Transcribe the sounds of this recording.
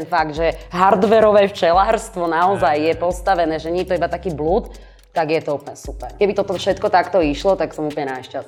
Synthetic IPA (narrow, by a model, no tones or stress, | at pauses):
ɛnfaɡd̪ʒɛɦaɾd̪ʋɛɾɔʋɛft͡ʃɛlaːɾst̪ʋɔnaɔzajjɛpɔst̪aʋɛnɛːʒɛɲɛjɛt̪ɔibat̪akiːbluːt̪ː | aɡjɛt̪ɔupɲɛsupɛɾkɛbit̪ɔt̪ɔfʃɛt̪kɔt̪akt̪ɔiʃlɔt̪aksɔmuplɲɛnaʃcas